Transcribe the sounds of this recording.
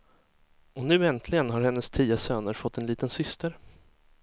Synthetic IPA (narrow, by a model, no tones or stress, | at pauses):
ɔnʉ̟ːɛnt̪ʰlɪɡənɦaɾhɛnːəst̪ʰiːasøːnəɾfɔt̪ʰːɛnliːt̪ənsʏst̪əɾ